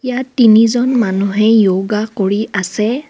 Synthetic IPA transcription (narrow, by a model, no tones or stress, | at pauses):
ijatːinizɔnmanuɦɛjoɡakoɹiʔasɛ